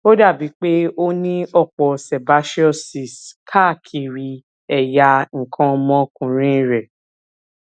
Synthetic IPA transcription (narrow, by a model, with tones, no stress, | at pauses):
o˦da˦˨bi˨˦k͡pe˦o˦nĩ˦ɔ˦˨k͡pɔ˨sɛ˨ba˨˦ʃi˦ɔ˦˨si˨skʰa˦˨kʰi˨ɾi˧ | ɛ˨ja˧ŋ̩˨kʰɔ̃˨˧mɔ̃˧kũ˨ɾ̃ĩ˦˨ɾɛ˨